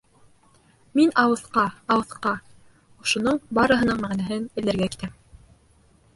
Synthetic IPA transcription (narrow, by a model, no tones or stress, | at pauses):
minɑwɤ̆θqɑɑwɤ̆θqɑ | ŏʃŏnɤɴbɑɾɤ̆ɦɤ̆nɤɴmæʁnæɦɘnɘ̆lːæɾɡæki̥t̪æm